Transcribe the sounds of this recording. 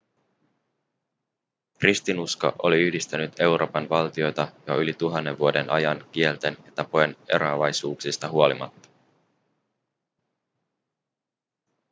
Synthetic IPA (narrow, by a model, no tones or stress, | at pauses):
krist̪inusko̰ʔo̞liyhdist̪ænyt̪e̞wɾo̞ːpɑnʋɑlt̪io̞jt̪ɑjoylit̪uɦɑnːe̞ʋːuo̞de̞nʔɑjɑnkie̞lt̪e̞njɑt̪ɑpojene̞̰ɾo̞ɑʋɑjsuːksist̪ɑɦuo̞limɑ̰t̪ːɑ̥